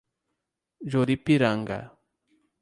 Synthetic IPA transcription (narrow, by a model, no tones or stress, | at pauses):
d͡ʒoɾipiɾaŋɡa̰